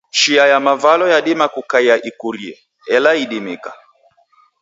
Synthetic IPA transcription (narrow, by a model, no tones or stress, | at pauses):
ʃiajamavalɔjaɗimakukaiaʔikuɾiɛ | ɛlaiɗimika